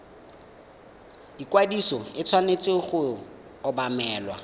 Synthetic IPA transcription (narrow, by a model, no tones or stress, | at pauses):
ikwadisɔɪt͡sʰwanet͡sʼɪχʊ | ɔbamɛːlwa̰